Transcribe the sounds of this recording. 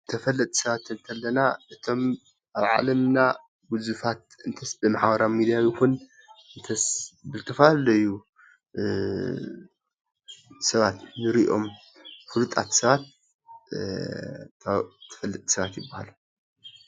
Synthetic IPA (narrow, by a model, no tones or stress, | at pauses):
t̪ʰɐfɐlːɐt̪ʼi̥sɐβat̪ːɨnt̪ʰɐlːɐnaɨt̪ʰo̞m | ʔaβʕa̰lɐmna | bɨzufat̪̚ɨnt̪ʰɐsbɨmaħabɐɾamid̪ijawjikun | ɨnt̪ʰɐsbɨlt̪ʰɐfaɐlɐjːu | sɐβat̪nɨɾiʔo̞m | fɨlut̪ʼa̰t̪sɐβat̪̚ | t̪ʰːɐ̥fɐlːɐt̪ʼi̥sɐβat̪jɪbːahalu